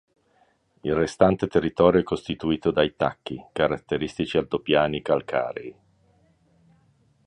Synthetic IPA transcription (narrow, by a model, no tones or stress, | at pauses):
ilrest̪ant̪et̪erːit̪ɔːɾjoɛkːost̪it̪uiːt̪od̪ajt̪akːikaɾat̪ːeɾist̪it͡ʃialt̪opjaːnikalkʰa̰ːɾḛi